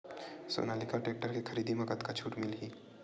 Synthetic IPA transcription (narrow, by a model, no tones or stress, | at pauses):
so̰ːnaːlɪkaʈeːk̚ʈəɾkexɐɾiːd̪imɐɡət̪kat͡ʃʰuːʈmɪlɦiː